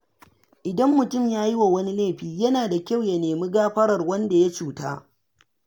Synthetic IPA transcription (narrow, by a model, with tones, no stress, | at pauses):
ʔɪ˨dɐ˦mːʊ˨tʊ˦˨mjaː˦ji˦wa˨wɐ˦ni˦leː˦˨ɸiː˦jɐ˦naː˨da˨kʲa˦˨wja˨neː˨mi˦ɡaː˦ɸɐ˦ɽɐ˨rwɐ˦nda˨ja˦t͡ʃuː˨ta̰ː˦